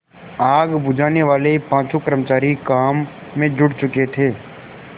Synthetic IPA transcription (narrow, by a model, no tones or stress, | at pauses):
aːɡbʊd͡ʒaːneʋaːlepãːt͡ʃukəɾmət͡ʃaːɾikaːmː | ẽd͡ʒʊɽt͡ʃʊket̪ʰeː